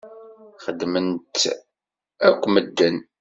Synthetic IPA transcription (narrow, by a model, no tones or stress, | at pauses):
χəd̪mənt̪ | ækʷːməd̪ːən